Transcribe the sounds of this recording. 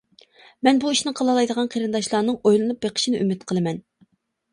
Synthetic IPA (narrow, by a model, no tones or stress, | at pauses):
mɛnbuiʃnɪqʰəlˠɑlˠɑjd̪əʁɑnqʰeɾɨnd̪ɑʃlˠɑːnɨŋojlˠɨnup̚beqʰə̥ʃinɪʔymɪt̪qʰəlˠɨmɛn